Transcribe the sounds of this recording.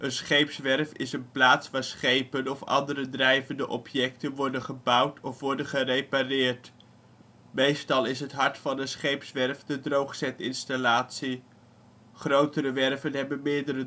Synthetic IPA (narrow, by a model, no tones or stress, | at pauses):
ʔənsχejpsʋɛrfɪ̰sənplaːtsʋaːɹsχejpənɔfɑ̰ndəɾədrɛjvəndəʔɔpʰjɛk̚tənʋɔɹdənχəbʌwtʰɔfʋɔɹdənχərejparɪːɹt | mejstɑlˠɪsɦətɦɑɹtfɑnənsχejpsʋɛɹfdədrowχsɛtɪnstalaːtsi | χrowtəɾəʋɛrvənɦɛbənmɪːɹdəɾə